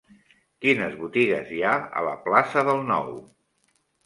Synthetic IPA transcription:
kinəzβut̪iɣə̰ziaə̰lə̰plasəðəlˠnɔ̰w

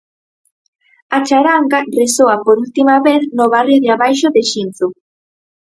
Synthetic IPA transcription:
at͡ʃaɾaŋɡaresoapoɾult̪imaβeθnoβarjoðeaβajʃoðeʃinθo

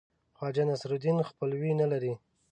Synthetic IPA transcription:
xwɑd͡ʒanasɾud̪inxpəlwinalaɾi

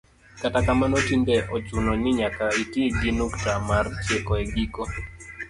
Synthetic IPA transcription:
katakamanɔtindɛʔɔt͡ʃunɔnɪɲakaitiɡinuktamart͡ʃekɔɛɡikɔ

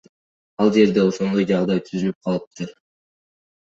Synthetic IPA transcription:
ɑlˠd͡ʒe̞ɾd̪e̞o̞ʃo̞nd̪o̞jd͡ʒɑʁd̪ɑjt̪ʰyzylyp̚qʰɑlˠɯp̚t̪ʰɯɾ

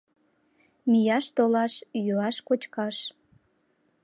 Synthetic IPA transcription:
mijɑʃt̪olɑʃjuɑʃkot͡ɕkɑʃ

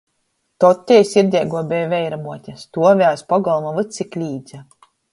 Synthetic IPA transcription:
t̪ɔt̪ʲːɛjsiɾd̪ʲɛjɡuɔbʲɛjvʲɛjɾamuɔt̪ʲast̪uɔvʲæːspɔɡɔlˠmavɨt̪sʲiklʲiːd̪zʲa

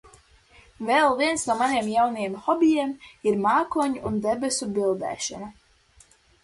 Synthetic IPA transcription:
velˠviɛnsnuɔmaneɛmjawnajɛmxɔbʲijɛmiɾmaːkuɔɲuund̪ebɛsubilˠd̪ɛ̰ːʃɔna

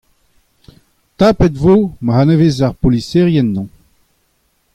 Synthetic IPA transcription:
t̪apɛt̪vomahanevezaʁpoliseʁjɛnːɔ̃

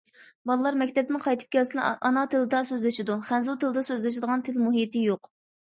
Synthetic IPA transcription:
bɑlˠɨlˠɑɾmɛkʲt̪ʰɛp̚t̪ɪnqʰɑjt̪ʰɨ̥p̚kʲʰɛlsɪnʔɑnɑt̪ʰɨlɨd̪ɑsøzlɪʃɪd̪uχænzult̪ʰɨlˠɨd̪ɑsøzlɪʃ̬ɪd̪əʁɑnt̪ʰɪlmuɦit̪ʰɪjoq

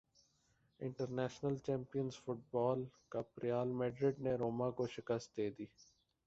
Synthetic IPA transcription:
ɪ̃ɳʈəɾnɛːʃnəlt͡ʃɛ̃ːmpijənzfʊʈ̚bɔːlkapɾɪjaːlmɛːɖɾɪɖneɾoːmãkoʃɪkəst̪̚d̪eːd̪iː

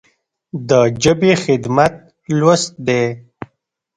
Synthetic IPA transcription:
d̪əd͡ʒəbexɪd̪mat̪̚ | lwast̪̚d̪e

